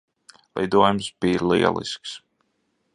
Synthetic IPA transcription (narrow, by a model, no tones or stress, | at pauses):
lˠɛ̰jd̪uɔjumsbiːɾlḭɛ̰lˠḭsks